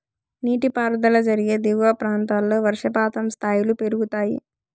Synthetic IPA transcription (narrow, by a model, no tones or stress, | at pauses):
niːʈipaːɾɐd̪ɐlɐd͡ʒɐɾiɡe̞ːd̪iʋʋapɾaːnt̪aːlːo̞ːʋɐɾʂɐpaːt̪ɐmst̪ʰaːjilupe̞ɾuɡut̪aːjḭ